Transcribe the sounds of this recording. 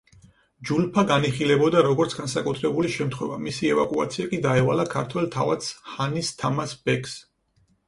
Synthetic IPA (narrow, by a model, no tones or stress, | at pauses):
d͡ʒulpʰaɡaniχilɛbɔd̪aɾɔɡɔɾt̪sʰɡansakʼut̪ʰɾɛbuliʃɛmt̪ʰχwɛvamisiɛva̰kʼua̰t̪sʰiakʼid̪aɛvalakʰaɾt̪ʰwɛlt̪ʰava̰t̪shanist̪ʰamasb̥ɛkʰs